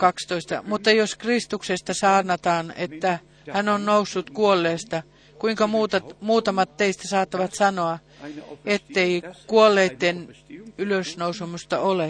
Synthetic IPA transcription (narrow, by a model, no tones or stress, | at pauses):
kɑkst̪oist̪ɑ̰mut̪ːɑjoskrist̪uksest̪ɑsɑːrnɑt̪ɑːnḛt̪ːæ | hænonnousːut̪kuolːeːst̪ɑ | kuiŋkɑmuːt̪ɑmuːt̪ɑmɑt̪teist̪æsɑːt̪ːɑʋɑt̪sɑnoɑ | et̪ːeikuolːeːt̪ːenyløsnousumust̪ɑole